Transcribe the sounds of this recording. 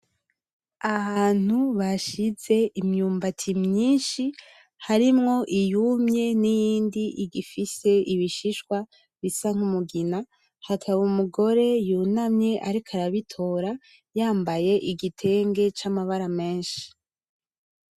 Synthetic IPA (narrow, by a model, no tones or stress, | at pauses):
aβaːn̥huβaʃize̞ʔimɲuːmbatʰimɲiːnʃi | haɾimŋo̞ʔijumɲe̞nijiːndiʔiɡifise̞ʔiβiʃiʃkwa | βisaŋ̥umuɡina | hatʰaβumuɡo̞ɾe̞junamɲe̞ʔaɾikʰaɾaβitʰo̞ːɾa | jaːmbaje̞ʔiɡitʰe̞ŋɡe̞t͡ʃamaβaɾame̞ːnʃi̥